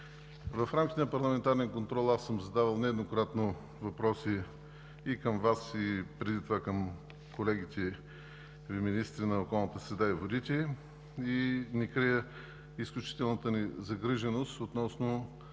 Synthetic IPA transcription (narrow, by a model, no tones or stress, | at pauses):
vɐfɾamkʲit̪ɛnɐpɐɾlˠɐmɛnt̪aɾnɛnkont̪ɾɔlˠasːəmzɐd̪avəlˠnɛd̪nokɾat̪no | vɐpɾɔsiː | kəmvasipɾɛd̪it̪ovakəm | kolɛɡit̪ʲɛ | vminist̪ɾinɐokɔlˠnət̪əsɾɛd̪aivod̪it̪ʲɛ | inɛkɾijə | isklʲut͡ʃi̥t̪ɛlˠnət̪ənizɐɡɾiʒɛnost̪ot̪nɔsno